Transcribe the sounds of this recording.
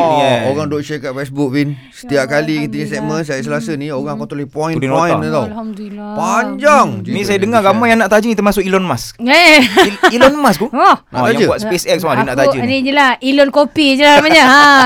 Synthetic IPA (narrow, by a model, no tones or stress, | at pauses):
jɛoɣaŋdɔʔʃɛkaʔ̚fɛsbuk̚pin | sə̥t̪iaʔkalikit̪əɲəsɛk̚mənsajasəlasənioɣaŋakut̪ulihpɔĩdinoĩant̪awpaɲd͡ʒaŋnĩsajadəŋaɡamajaŋnaʔt̪ad͡ʒənit̪ərmasʊkilɔnmase | ilɔnmaskuɔʔɔ̰jãŋd͡ʒəbuat̪spesɛk̚smadunaʔt̪ad͡ʒənid͡ʒəlailɔnkopid͡ʒəlamaɲaɦa